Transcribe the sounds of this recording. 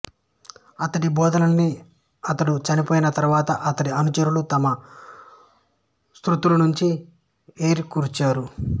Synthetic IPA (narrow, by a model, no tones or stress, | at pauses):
ɐt̪ɐʈibɔːd̪ɐnɐnːi | ɐt̪ɐɽut͡ʃɐnipoːjinɐt̪ɐɾʋaːt̪ɐʔɐt̪ɐɽiɐnut͡ʃɐɾulut̪ɐmɐ | st̪ɾut̪ulɐnuɲt͡ʃi | e̞ːɾikuːɾut͡ʃaːɾu